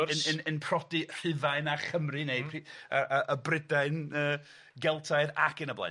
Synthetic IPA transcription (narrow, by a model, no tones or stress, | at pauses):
nənənpʰrɔdir̥ɨvaɨnaχəmrɨnejpʰriəʔəʔəbrɪdaɨnəː | ɡɛlˠtʰaɨða̰kɨnəbla̰